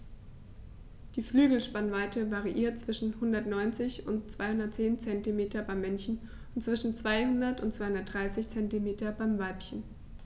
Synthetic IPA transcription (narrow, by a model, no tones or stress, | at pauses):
d̥iːflyːɡl̩ʃpanvaɪtəvaʁiʔiːɐt̚t͡sv̥ɪʃn̩hʊndɐtnɔʏnt͡sɪçʊntt͡sv̥aɪhʊndɐt̚t͡seːnt͡sɛntimeːtɐbaɪmːɛnçn̩ | ʊntt͡sv̥ɪʃn̩t͡sv̥aɪhʊndɐtʊntt͡sːsvaɪʊndɐtd̥ʁaɪsɪçt͡sɛntimeːtɐbaɪmvaɪpçən